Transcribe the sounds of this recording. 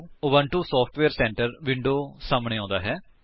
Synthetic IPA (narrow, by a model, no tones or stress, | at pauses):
oʋə̃ɳʈuːsɔːpʰʈʋeːɾsɛ̃ːɳʈəɾʋɪɳɖoːsaːmɳ̃ẽːɔ̃ːnd̪aːɦɛː